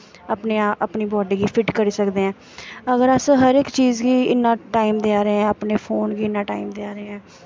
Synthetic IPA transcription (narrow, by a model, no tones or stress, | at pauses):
əpneaʔəpniːbɔːɖiːɡiːpʰɪʈkəɾiːsəkd̪eːɛ̃ː | əɡəɾəsɦəɾɪkt͡ʃiːzɡiːɪnːãːʈaːimd̪eaːɾeɛ̃ːəpneːpʰoːnɡiːɪnːãːʈa̰ːimd̪eaːɾeeɛ̃ː